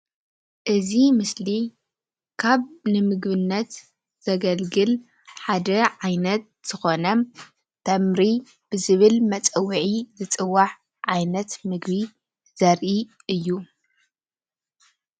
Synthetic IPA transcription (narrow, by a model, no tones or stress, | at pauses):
ʔɨzimɨsli | kʰaβnɨmɨɡβɨnːɐt̪ | z̥ɐɡɐlɡɨl | ħad̪ɐʕajnɐt̪̚z̥ɨxo̞nɐ | t̪ʰɐmɾi | b̥ɨzɨβɨlmɐt͡sʼɐwːiʕizɨt͡sʼɨwːaħ | ʕajnɐt̪mɨɡbi | z̥ɐɾʔi | ɨjːu